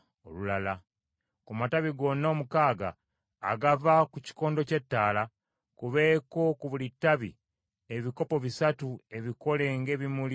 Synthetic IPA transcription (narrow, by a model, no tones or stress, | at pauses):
o̰lulala | kumataβiɡo̞nːoːmukaːɡa̰ː | ɡavakuci̥ko̞ːndo̞ce̞tːaːla | kuβe̞ːko̞kuβulitːaβḭ | e̞βiko̞po̞βisatue̞βiko̞le̞ŋɡe̞ːβimuli